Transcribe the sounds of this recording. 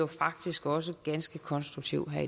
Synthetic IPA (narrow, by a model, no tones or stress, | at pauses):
ofɑ̈ɡ̥̚d̥isɡ̥ɒ̽s̬əɡ̥ænsɡ̥əkʰɒ̽nsd̥ʁuɡ̥̚t͡sʰiʊɦæɐ̰i